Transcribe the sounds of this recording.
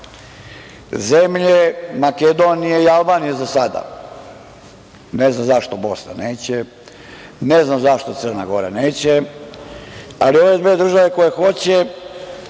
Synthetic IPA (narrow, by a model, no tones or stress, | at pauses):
zemʎemaked̪o̞nijeialˠbaːnijezasad̪a̰ | neznamzaʃt̪o̞bo̞sna̰neːt͡ɕe | neznamzaʃt̪ot̪sər̩na̰ɡo̞ɾa̰neːt͡ɕe | alio̞ʋe̞d̪ʋeːd̪r̩ʒaʋe̞ko̞jexo̞t͡ɕe